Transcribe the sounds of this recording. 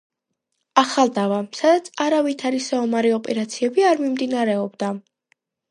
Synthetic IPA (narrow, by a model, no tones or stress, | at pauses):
aχalˠd̪avasad̪at̪sʰaɾavit̪ʰaɾisaɔmaɾiɔpʼɛɾat̪sʰiɛbiaɾmimd̪inaɾɛɔbd̪a